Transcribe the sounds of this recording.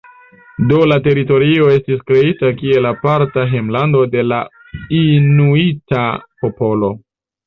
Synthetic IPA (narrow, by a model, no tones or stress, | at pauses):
do̞late̞ɾito̞ɾio̞e̞stiskɾe̞itakie̞lapaɾtaɦemlando̞de̞la | inuitapo̞po̞lo̞